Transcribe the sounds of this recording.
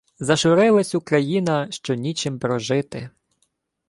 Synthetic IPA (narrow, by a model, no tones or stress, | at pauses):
zɐʃʊɾɪlˠɐsʲukɾɐjinɐʃt͡ʃɔnʲit͡ʃɪmpɾɔʒɪt̪ɪ